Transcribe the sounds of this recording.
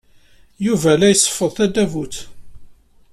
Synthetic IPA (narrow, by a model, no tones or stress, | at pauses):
juvælæjəsˤːə̥fːəðˤθæd̪ævut̪